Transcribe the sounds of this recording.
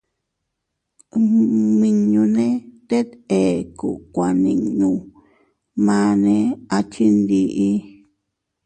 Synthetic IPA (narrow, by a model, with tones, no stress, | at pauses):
mĩ˧ɲũ˧nẽ˦t̪e˦t̪e˨ku˨kʷa˨nĩ˨ɲũ˧ | mã˦nẽ˧a˧t͡ʃi˦nd̪i˧ʔi˦